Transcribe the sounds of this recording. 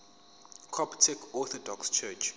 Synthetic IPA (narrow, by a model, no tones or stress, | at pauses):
kʰɔptʰɛkʰɔθɔdɔkst͡ʃʰɛt͡ʃ